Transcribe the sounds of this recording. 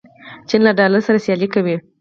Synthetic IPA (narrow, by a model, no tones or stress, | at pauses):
t͡ʃinlaɖɑlaɾsaɾasjɑlikawi